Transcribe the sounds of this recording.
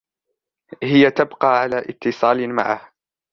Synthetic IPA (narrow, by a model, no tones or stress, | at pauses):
hɪjat̪abqɑːʕalaːʔɪt̪ːɨsˤɑːlma̰ʕah